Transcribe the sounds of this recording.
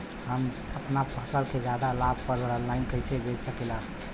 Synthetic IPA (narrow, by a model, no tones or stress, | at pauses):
ɦəm | əpnapʰəsəlked͡ʒad̪alab̚ʱpəɾəɾəlːainkəjsebʱed͡ʒsəkɛla